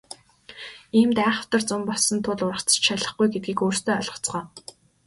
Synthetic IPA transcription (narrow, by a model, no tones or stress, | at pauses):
iːmt̪æːχə̆w̥t̪ə̆rt͡sʊmpɔɮsɞ̆nt̪ʰʊɮʊrə̆χʰt͡sə̥t͡ɕʃaɮə̆χɡujɡet̪̚ɡiːkoːrst̪ʰoːœɮʁə̆t͡sɢœː